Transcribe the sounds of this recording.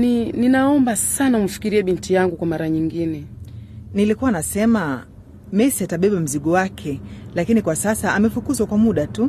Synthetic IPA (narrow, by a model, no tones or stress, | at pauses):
nininaɔmbasanaum̩fi̥kiɾiɛɓintijaŋɡukwamaɾaɲiŋɡinɛ | nilikuwanasɛma | mɛsiataɓɛɓam̩ziɠɔwakʰɛlakinikwasasaamɛfukuzwakwamuɗatu